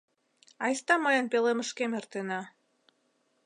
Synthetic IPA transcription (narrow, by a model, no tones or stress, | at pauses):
ɑjst̪ɑməjənpeleməʃkemert̪enɑ